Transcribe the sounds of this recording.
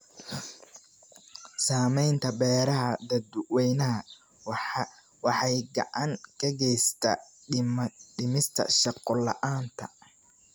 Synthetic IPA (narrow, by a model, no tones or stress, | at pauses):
saːmɛjnt̪ʰɐbɛːɾɐɦɐd̪ɐd̪ʊwɛjnɐɦɐ | w | wɑħɑjɡɑ̰ʕɑŋkʰɐɡɛjst̪ʰɐ̰ | ɖɪmɪst̪ʰɐ̰ʃɑqːɔlɑ̰ʔaːnt̪ʰɐ̰